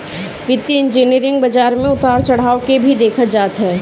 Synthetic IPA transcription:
ʋɪt̪ːiɪ̃nd͡ʒiːniəɾɪ̃ŋɡ̚bɐd͡ʒaːɾmẽʊt̪aːɾt͡ʃɐɽ̤aːokebʱid̪eːkʰəd͡ʒaːt̪ɦɛː

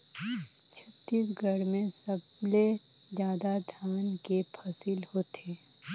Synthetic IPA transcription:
t͡ʃʰɐt̪ːiːsɡʱəɽmẽsɐble | zjaːd̪ad̪ʱjaːnkepʰɐsilhoːt̪eː

